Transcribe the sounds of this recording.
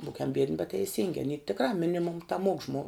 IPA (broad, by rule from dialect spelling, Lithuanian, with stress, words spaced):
ˈbuːkʲɛm bʲiɛdʲnʲɪ bʲɛt tʲɛɪˈsʲɪŋʲɡʲɪ ɐˈnʲiː tʲɪkˈrɐ ˈmʲɪnʲɪmʊm tɐˈmuɔk ʒmoː